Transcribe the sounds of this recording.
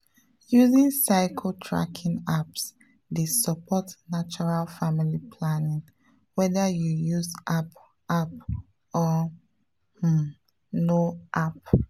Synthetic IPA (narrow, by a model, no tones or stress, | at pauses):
juzĩnsaɪkʰotʰɹa̰kʰĩnaps | desəpʰɔtnat͡ʃɔɹalfamilipʰlanĩŋ | wɛðajujuzʔap | ap̚ | ɔ | noʔap̚